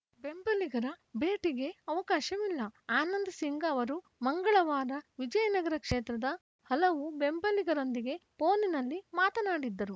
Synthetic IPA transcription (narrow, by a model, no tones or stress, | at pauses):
be̞mbɐliɡɐɾɐbe̞ːʈiɡe̞ɐʋɐkaːʃɐʋilːɐaːnɐnd̪ɐsiŋɡɐːʋɐɾu | mɐŋɡɐɭɐʋaːɾɐʋid͡ʒɐjɐnɐɡɐɾɐkʂeːt̪ɾɐd̪ɐ | hɐlɐʋube̞mbɐliɡɐɾo̞nd̪iɡe̞poːninɐlːimaːt̪ɐnaːɽid̪ːɐɾu